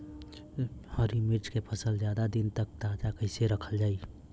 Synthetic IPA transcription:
hɔɾimiɾt͡ʃkepʰəsəld͡ʒjaːd̪ad̪ɪnt̪ək̚t̪aːd͡ʒakəɪseɾəkʰəld͡ʒaːi

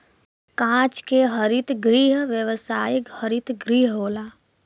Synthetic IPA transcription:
kãːt͡ʃkeɦəɾɪt̪ɡɾiːɦʋjəʋsaːjɪkhəɾɪt̪ɡɾiːɦɦoːlaː

